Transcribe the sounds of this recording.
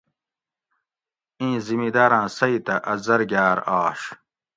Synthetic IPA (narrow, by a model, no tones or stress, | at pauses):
ĩːzimid̪aːɾãːsɐit̪ɐʔɐzɐɾɡjaːɾaːʂ